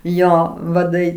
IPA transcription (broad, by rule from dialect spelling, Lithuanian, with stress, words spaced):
ˈjoː ʋɐˈdɐɪ